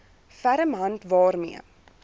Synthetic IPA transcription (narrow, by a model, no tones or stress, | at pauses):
fæɾəmɦɐntvɑːrmiə